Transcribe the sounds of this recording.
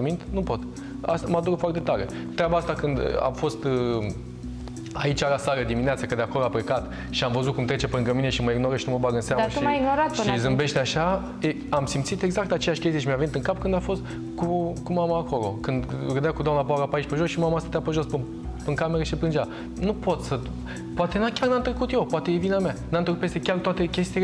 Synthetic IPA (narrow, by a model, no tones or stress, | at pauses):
mint̪nupo̞t̪ | ast̪amad̪uɾəfoart̪e̞t̪aɾe̞ | t̪ɾʲabaast̪akɨnd̪a̰mfo̞st̪ | ait͡ʃaɾasaɾəd̪imineat̪səkəd̪eako̞loapɾekat̪ | ʃiamvəzut̪kumt̪ɾe̞t͡ʃe̞pɾɨŋɡəmine̞ʃiməiɡno̞ɾəʃinuməbaɡənseamməʃumajiɡnoɾat̪ʃɨizɨmbe̞ʃt̪eaʃa | e | amsimt̪sit̪e̞ɡzakt̪at͡ʃe̞jaʃkʲest̪ijʃimeaveit̪ɨŋkapkɨnd̪afo̞st̪ | kukumamaːko̞lo̞̰kɨnd̪ɡɨd̪akud̪oamnapoaɾapaiʃʲpəʒosʃimamaast̪at̪eapəʒo̞spɨ | pɨŋkameɾəʃiipɾɨnd͡ʒa | nupo̞t̪sə | poat̪e̞nakʲarnant̪ɾəkut̪jepoat̪e̞jevinamʲanant̪ɾəkupest̪ekʲart̪oat̪ekʲe̞st̪il